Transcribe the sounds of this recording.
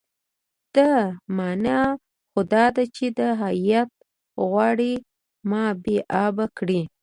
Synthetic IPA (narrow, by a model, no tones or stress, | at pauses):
d̪̥əmɑna | xod̪ɑd̪at͡ʃed̪əɦajat̪̚ | ɣwɑɽi | mɑbeʔɑbakɽi